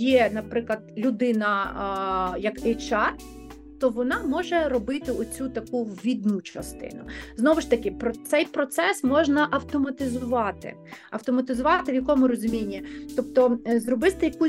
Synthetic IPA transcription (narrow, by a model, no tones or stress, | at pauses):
jɛnɐpɾɪklˠɐd̪̥lʲʊd̪ɪnɐ | jɐkɛjt͡ʃɑt̪ | t̪ɔʋɔnɑmɔʒɛɾɔbɪt̪ɪɔt͡sʲut̪ɐkuʋʲid̪nut͡ʃɐ̰st̪ɪ̰nʊznɔʋɪʃt̪ɐkɪpɾɔt̪sɛjpɾɔt̪sɛsmɔʒnɐʔɐwt̪ɔmɐt̪ɪzʊʋɑt̪ɪ̰ | ɐ̰wt̪ɔmɐt̪ɪzʊʋɑt̪ɪʋjɐkɔmʊɾɔzʊmʲinʲːit̪ɔpt̪ɔzrɔbɪst̪ɪjɐku